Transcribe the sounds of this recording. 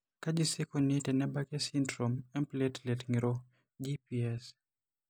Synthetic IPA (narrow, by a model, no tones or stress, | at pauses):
kad͡ʒisekonitɛnɛbakɛsindɾomɛmpletlɛtŋiɾo | d͡ʒipiɛs